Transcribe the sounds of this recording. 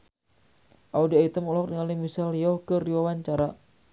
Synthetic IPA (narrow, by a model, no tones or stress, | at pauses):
ʔaudiait̪əmɔlɔk̚diŋalimisaljɔhkəriwawaɲt͡ʃaɾa